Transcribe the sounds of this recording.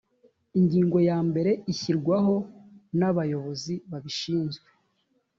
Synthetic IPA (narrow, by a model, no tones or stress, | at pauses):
iɲɟiːŋɡo̞jaːmbe̞ɾe̞içiɾɡwaɦo̞naβajo̞βo̞ziβaβiʃiːnzɡwe